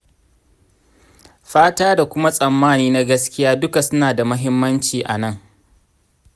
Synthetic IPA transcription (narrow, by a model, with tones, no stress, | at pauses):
ɸaː˦taː˦da˨kʷʊ˦ma˦sʼɐ˨mːaː˦niː˦na˦ɡɐ˦skʲɪ˦jaː˦dʊ˦ka˨sʊ˦naː˨da˨mɐ˦ɦɪ˦mːɐ˦nt͡ʃiː˨ʔa˨nɐ˦˨ŋ